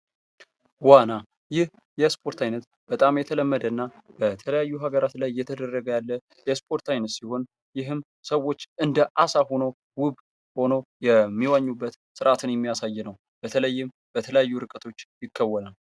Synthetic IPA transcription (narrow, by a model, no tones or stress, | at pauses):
wana | jɪh | jɛspʰo̞ɾt̪ʰajnət̪ | b̥ət̪ʼamjɛt̪ʰələmːəd̪ənːab̥ət̪ʰələjajːuɦaɡəɾat̪lajːɛt̪ʰəd̪ərːəɡəjalːə | jɛspʰo̞ɾt̪ajnət̪siho̞n | jɪɦɨm | səwːo̞t͡ʃːʔɨnd̪əʔasaho̞now | wʊβ | ho̞no̞jɛmːiwaɲːubːət̪sɨɾʔat̪ʰɨnjɛmːijasajːɛnəw | b̥ət̪ʰələjːɪm | b̥ət̪ʰələjajːuɾɨkʼət̪ʰo̞t͡ʃːjɪkʰːəwːənal